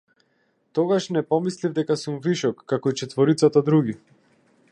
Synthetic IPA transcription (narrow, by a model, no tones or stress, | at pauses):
t̪ɔɡaʃnɛpɔmislivd̪ɛkasumviʃɔkːakɔit͡ʃɛt̪vɔɾit̪sat̪ad̪ɾuɡi